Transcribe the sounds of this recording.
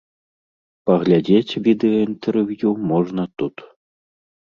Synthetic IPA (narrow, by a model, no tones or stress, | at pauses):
pɐɣlʲad͡zʲet͡sʲvʲid̪ɨjɔint̪ɛrvjumɔʐnɐt̪ut̪